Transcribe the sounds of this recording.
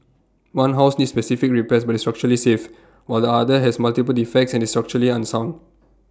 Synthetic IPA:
wãnɦaʊsnidspɛsifik̚ɹipɛsbatistɹak̚t͡ʃuɹəlisef | waɪldəadəɦɛsmaltipəlifɛk̚tsɛ̃nistɹak̚t͡ʃəɹəliãnsãw̃n

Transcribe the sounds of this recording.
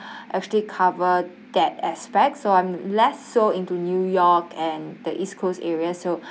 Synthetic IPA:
ʔɛk̚t͡ʃuəlikʰavə | d̥ɛtɛspɛk̚tsoãɪ̃mlɛsːoĩntunjujɔkɛ̃ndəʔiskʰosɛɹiaso

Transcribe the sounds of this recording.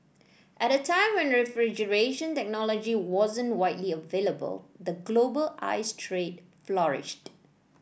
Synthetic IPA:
ʔɛɾətʰãɪ̃mwɛ̃nɹɛfɹid͡ʒəɹeʃə̃ntɛk̚nɔlɔd͡ʒiwɔzə̃nwaɪtliəveləbə̰ld̪əɡlobəlʔa̰ɪstʰɹed̚ | flɔɹɪ̰ʃt

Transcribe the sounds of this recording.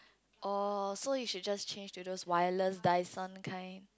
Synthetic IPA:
ʔɔsojuʃud̚d͡ʒast͡ʃʰẽnd͡ʒtudoswajələsdaɪsə̃nkʰãɪ̃n

